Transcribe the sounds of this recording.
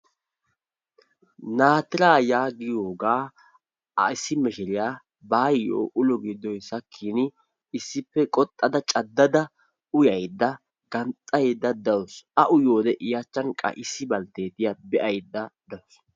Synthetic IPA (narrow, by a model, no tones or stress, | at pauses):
naːt̪ɪɾaːjaːɡɪjoːɡaː | ɐ̰ɪsːɪmɛʃɛɾɪjaː | baːjɪjo̰ːʔʊlɔɡiːd̪ːɔjsɐkʰːiːnɪ | ɪsːɪpːɛkʼɔt̪ʼːɐd̪ɐt͡ʃʼɐd̪ːɐd̪ɐ | ʊjɐjd̪ːɐ | ɡɐnt̪ʼːɐjd̪ːɐd̪ɐwɔsʔɐʔʊjoːd̪ɛʔɪjat͡ʃːɐnkʼɐ̰ʔɪsːɪbɐlt̪e̞ːt̪ɪjabɛʔɐjd̪ːɐd̪ɐws